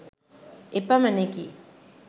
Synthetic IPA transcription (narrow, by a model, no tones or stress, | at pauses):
epːamɐnːeki